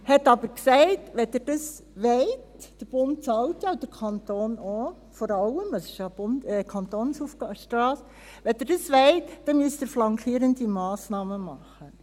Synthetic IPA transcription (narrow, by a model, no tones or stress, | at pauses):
hɛtɑbəɾksɛɪtʋɛdɛɾd̥ɑs | ʋeɪtd̥əɾb̥ʊnt̚t͡sɑltjɑd̥əɾkʰɑntoːno | fɔɾɑləmɑsɪ̥ʃjɑb̥ʊndɛkʰɑntonsufɑʃtɾɑːs | ʋɛdɛɾd̥ɑsʋeɪtd̥ɛmyəsdəɾflɑŋkʰiːɾəndimɑːsnɑːməmɑχːə